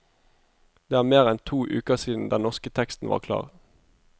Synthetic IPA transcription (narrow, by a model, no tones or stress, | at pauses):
d̪̥eːæːʁmeːʁɛnt̪ʰuːʔʉːkəʁsiːd̪n̩d̪ɛnnɔʁskət̪ʰɛkst̪n̩ʋɑ̰ːʁkʰlɑ̰ːʁ